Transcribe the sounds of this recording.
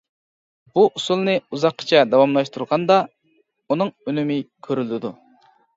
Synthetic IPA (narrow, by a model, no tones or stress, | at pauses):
b̥uʔusulˠnɨuzɑqʰːə̥t͡ʃʰɛd̪ɑwɑmlˠɑʃt̪ʰuɾʁɑnd̪ɑ | unɨŋønymɪkʲʰøɾylɪd̪u